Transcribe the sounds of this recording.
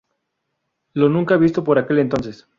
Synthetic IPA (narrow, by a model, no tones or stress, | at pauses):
lo̞nũŋkaβist̪o̞po̞ɾake̞le̞nt̪o̞nses